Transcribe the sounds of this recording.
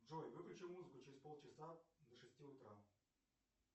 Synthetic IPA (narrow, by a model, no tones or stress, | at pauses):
ʐojvɨklʲʉt͡ɕɪlˠmuzɨkʊt͡ɕɪɾʲɪspo̞lˠt͡ɕɪsad̪əʂɨsʲtʲiʊt̪ɾa